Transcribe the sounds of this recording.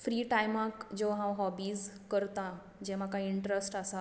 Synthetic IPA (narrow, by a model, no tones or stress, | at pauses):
fɾiːʈajmãkd͡ʑoɦãwɦɔbiːzkəɾt̪ã | d͡ʑeʋ̤ãkaiiɳʈɾesʈasa